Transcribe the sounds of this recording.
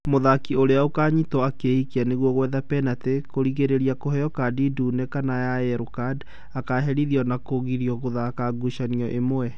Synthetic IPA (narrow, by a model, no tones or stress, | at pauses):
moðakioɾeaokaːɲitɔakeikianeɣwɔɣwɛðapɛnatekoɾiɣeɾeɾiakoɦɛjɔkadiduːnɛkanajaɛɾokad | akaɦɛɾiðiɔnakoɣiɾiɔɣoðaːkaɡuʃaniɔʔemoɛ